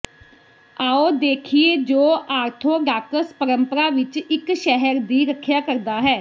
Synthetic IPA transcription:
aːoːd̪eːkʰieːd͡ʒoːʔaːɾt̪ʰoːɖaːkəspəɾəmpəɾaːʋɪt͡ʃɪkʃɛɦəɾd̪iːɾəkʰːjaːkəɾd̪aːɦɛː

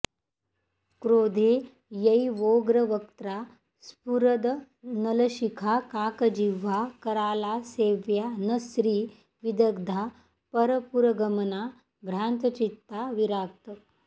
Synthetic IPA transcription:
kɾoːd̪ʱe | jɐiʋoɡɾəʋək̚t̪ɾa | spuɾəd̪ | nɐləɕikʰakaːkəd͡ʒiʋakɐɾaːlaseːʋjanəsɾiː | ʋid̪əɡd̪ʱa | pəɾəpuɾəɡəməna | bʱɾaːnt̪ət͡ʃit̪ːaʋiɾak̚t̪ə

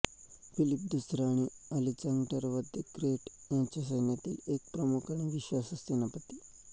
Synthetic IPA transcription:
filip̚d̪usɾaɽ̃iəlit͡ɕãŋɡʈəɾʋəd̪ʱjekɾeʈjãɲt͡ɕjas̬əjnjat̪ḭːlek̚pɾəmukaɽ̃iʋiɕʋasəssenapət̪iː

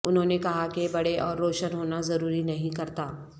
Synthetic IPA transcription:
ʊnɦõːnekɐɦakebɐɽeʔɔːɾːoːʃənɦoːnazɐɾuːɾinɐɦĩkɐɾt̪aː

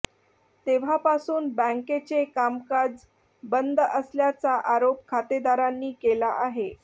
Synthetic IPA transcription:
t̪eʋ̤apasuːnbə̃ŋket͡sekamkad͡z | bənd̪əsljat͡saʔaɾop̚kʰat̪ed̪aɾanːiːkelaʔaɦe

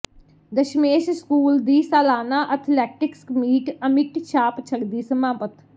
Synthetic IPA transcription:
d̪əʃmeːʃskuːld̪iːsaːlaːnaːʔət̪ʰlɛːʈɪkskmiːʈəmɪʈt͡ʃʰaːpt͡ʃʰəɡd̪iːsəmaːpət̪

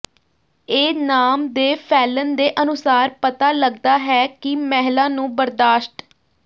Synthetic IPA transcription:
eːnaːmd̪eːpʰɛːlənd̪eːʔənʊsaːɾpət̪aːləɡd̪aːɦɛːkɪmɛːɦlãːnũːbəɾd̪aːʃʈ

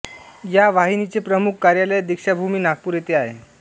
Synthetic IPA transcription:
jaʋaɦinit͡sepɾəmukʰːaɾjaləjd̪ikʂabʱumiːnak̚puːɾjet̪eaɦḛ

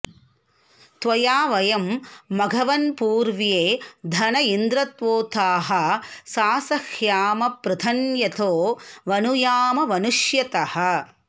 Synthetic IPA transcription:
t̪ʋɐjaːʋɐjɐmːɐɡʱɐʋɐnpuːɾʋjeːd̪ʱɐnɐind̪ɾɐt̪ʋoːt̪aːɦɐ̆saːsɐhjaːmɐpɾɐd̪ʰʱɐnjɐt̪ʰoːʋɐnujaːmɐʋɐnuʃjɐt̪ɐhɐ̆

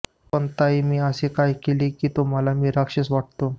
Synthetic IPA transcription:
pəɳt̪aimiːəsekajkeliːkiːt̪um̤əlamiːɾakʂesʋaʈ̚t̪o

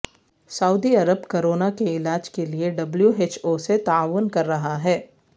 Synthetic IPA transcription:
sɐuːd̪iɐɾəbkoɾoːnakeɪlaːd͡ʒkelieɖɐbljueːt͡ʃoːset̪aaːʋʊnkɐɾːɐɦaɦɛː

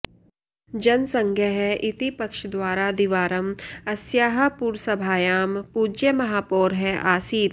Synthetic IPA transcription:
d͡ʒɐnsɐ̃ŋɡʱjəɦɛʔɪt̪ipɐkʃd̪waːɾad̪iʋaːɾəmɐsjaːɦɐpuːɾsɐbʱaːjaːmpuːd͡ʒjəmɐɦaːpoːɾɦɛʔaːsiːt̪

